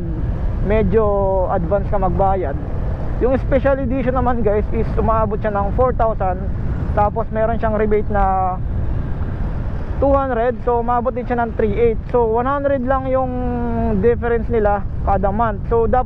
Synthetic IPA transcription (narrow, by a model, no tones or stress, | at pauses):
ɡ̚ | mɛd͡ʒo̞ʔɐd̪vanskɐmɐɡ̚baːjɐd̪̚ | jʊŋɪspɛʃalɪd̪iːʃonɐmanɡajsʔɪsʔʊmaːbot̪̚ʃanɐŋfoɹt̪awsɐnd̪t̪aːpo̞smɛːɾo̞nʃaŋɾɪbejt̪̚nɐ | t̪uhand̪ɾɛd̪̚soʊmaːbot̪̚ɪnʃanɐŋt̪ɾiːʔejt̪̚so̞wɐnhand̪ɾɛd̪̚lɐŋjʊŋd̪ɪfɛɾɛnsnɪlakaːd̪ɐmant̪̚sod̪aː